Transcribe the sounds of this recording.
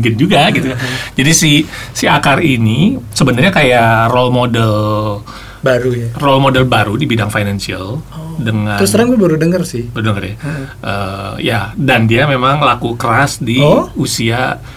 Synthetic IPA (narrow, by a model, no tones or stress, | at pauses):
ɡɪnd͡ʒuɡaɡit̪ukad͡ʒadisisiakarinisəbənarɲakajarolmodɛl | baɾujarɔlmodɛlbaɾudibidaŋfajnansiə̰ldəŋaɾʊsəɾaŋmubəɾudəŋərsɪhbəɾudəŋərjaʔəjadandiamemaŋlakukəɾasdiusia